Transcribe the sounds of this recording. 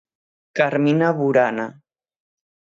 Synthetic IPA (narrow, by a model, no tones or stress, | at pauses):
kaɾminaβuɾana